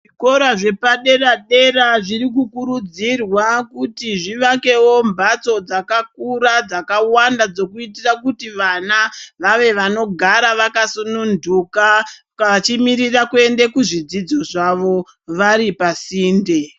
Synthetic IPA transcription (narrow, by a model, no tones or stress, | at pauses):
ʐiko̞ɾaʐe̞paɗe̞raɗe̞raʐiɾik̬ukuɾud͡zirwakutiʐiʋake̞wo̞mbat͡so̞d͡zakak̚uɾad͡zakawandad͡zo̞kuitirakutiʋanaʋaʋe̞ʋano̞ɡʱaɾaʋakasunundʱuka | kat͡ʃimiɾirakue̞ndekuʐid͡zid͡zo̞ʐaʋo̞ | ʋaɾipasiːnde̞